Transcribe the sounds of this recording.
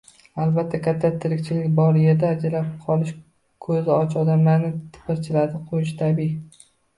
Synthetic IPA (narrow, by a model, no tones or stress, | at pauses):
alˠbat̪ʰːakʲat̪ʰːat̪ʰɪɾɪkʲt͡ʃʰɪlɪkʲbɒɾjeɾd̪aːd͡ʒalap̚qʰɒlˠɪʃ | kʰɵzɪɒt͡ʃɒd̪amlanɪt̪ʰɪ̥pɪɾt͡ʃʰɪlaɾd̪ɪqʰojɪʃt̪ʰabi